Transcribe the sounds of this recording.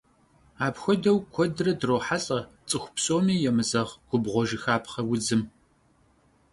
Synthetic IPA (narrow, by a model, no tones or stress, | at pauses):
aːpxʷɔdɐwkʷʰɔdrɐdroːħaɬʼɐt͡sʼɨxʷʊ̥psʼoːmiːjɛmɨzɐʁɡ̥ʷʊbʁʷɔʒɪxaːpχɐwʊd͡zɨm